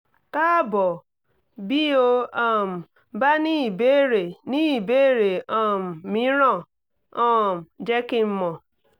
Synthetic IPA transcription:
ka˦bɔ˨ | bi˦o˦ɔ˦m̩˨ | ba˦ni˦˨be˦ɾe˨ni˦˨be˦ɾe˨ɔ˦˨m̩˨mi˦ɾɔ˦˨ | ɔ˦m̩˨d͡ʒe˦kɪ˦m̩˦mɔ˨

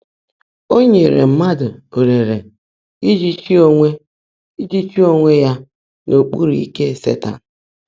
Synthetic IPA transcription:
o˦ɲe˨ɾḛ˨m̩˦ma˦dʊ˨o˨ɾe˨ɾe˨ | i˦d͡ʒi˦t͡ʃi˦o˦ŋʷe˦ | i˦d͡ʒi˦t͡ʃi˦o˦ŋʷe˦ja˦ | nʔo˨k͡pṵ˦ɾi˨i˦ke˦˨sḛ˦ta̰˨n̩˨

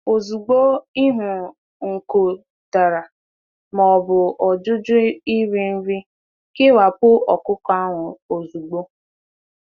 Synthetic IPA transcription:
o˨zu˨ɡ͡bo˦i˦ɦʊ˨ | ŋ̩˨ko˨ | ta˨ɾa˨ | mɔ˨bʊ˨ʔɔ˨d͡ʒʊ˦d͡ʒʊ˦i˦ɾe˦m̩˦vi˦ | kɪ˦wa˨pʊ˦ɔ˨kʊ˦ka˦ŋʷʊ˨o˨zu˨ɡ͡bo˦

